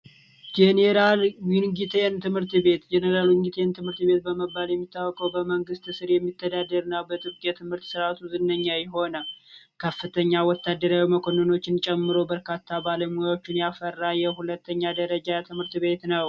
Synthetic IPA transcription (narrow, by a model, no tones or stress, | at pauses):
d͡ʒeneɾalwinɡit̪ʰent̪ʰɨmhɨɾt̪βe̞t̪d͡ʒeneɾalwɪŋɡit̪ʰent̪ʰɨmhɨɾt̪be̞t̪̚bəməbːaljɛmːit̪ʰːawːɔkʼəwbəməŋɡɨst̪ɨsɨɾjɛmːit̪ʰːəd̪ad̪əɾɨnːawbət̪ʼɨɾkʼjat̪ʰɨmhɨɾt̪sɨɾat̪ʰuzɨnːəɲːajɛɦo̞nə | kʰəfːɨt̪ʰəɲːawɔt̪ːad̪ːəɾawiməkʰo̞nəno̞t͡ʃːɪnt͡ʃʼɛmːɨɾo̞bəɾkʰat̪ʰːabaləmujawo̞t͡ʃːɪnjafərːajɛhulət̪ʰːəɲːad̪əɾəd͡ʒat̪ʰɨmhɨɾt̪βe̞t̪nəw